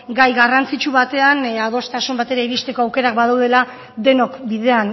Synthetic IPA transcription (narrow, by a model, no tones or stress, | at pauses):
ɡajɣarant͡sit͡ʃuβat̪e̞anað̞o̞st̪asumbat̪e̞ɾaiβist̪e̞ko̞awke̞ɾakbaðawðe̞la | d̪e̞no̞kbiðe̞an